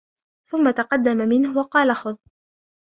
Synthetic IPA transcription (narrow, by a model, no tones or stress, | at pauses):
θʊmːat̪ɑqɑd̪ːamamɪnhʊwɑqɑːlaxʊðˤ